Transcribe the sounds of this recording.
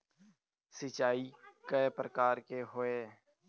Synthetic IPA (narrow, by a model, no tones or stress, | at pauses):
sɪt͡ʃaːiːkepɾəkaːɾkeːɦʊeː